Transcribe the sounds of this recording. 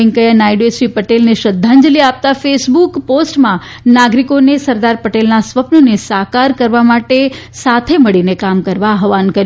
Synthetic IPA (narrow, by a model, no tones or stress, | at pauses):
eŋkəjanajɖesʋipəʈelneʃəd̪ʱːãɲd͡ʒəliap̚t̪afesbukposʈmã | naɡɾikonesəɾd̪aɾpəʈelnasʋəpnonesakaɾkəɾʋamaʈe | sat̪ʰeməɭinekamkəɾʋaːɦʋankəɾj